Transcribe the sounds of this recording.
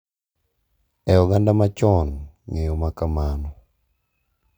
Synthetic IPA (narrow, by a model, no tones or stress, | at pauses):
ɛɔɡandamat͡ʃɔn | ŋejɔmakamanɔ